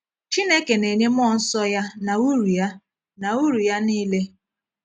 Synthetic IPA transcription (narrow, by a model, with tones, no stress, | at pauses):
t͡ʃi˦ne˦ke˨ne˨ɲe˦m˦ɔ˦˨n̩˦sɔ˦ja˦na˨u˦ɾu˨ja˦ | na˨u˦ɾu˨ja˦niː˦le˦